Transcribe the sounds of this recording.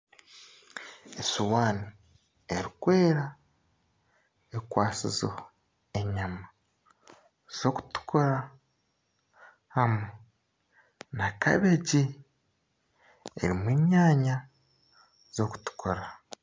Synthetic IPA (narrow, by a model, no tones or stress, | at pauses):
esuwaːni | eɾikwe̞ːɾa | ekwaːsḭzo̰ | e̞ɲama | z̥o̞ku̥tu̥kʰoɾa | hamu | naka̰βeɟi | e̞̰ɾimwiːɲaːɲa | z̥o̞ku̥tu̥kʰoɾa